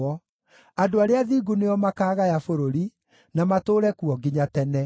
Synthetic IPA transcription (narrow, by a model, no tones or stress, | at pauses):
ɔ | adoaɾeaðiːɡuneɔmakaːɣajafoɾoɾi | namatoːɾɛkuɔɡiɲatɛnɛ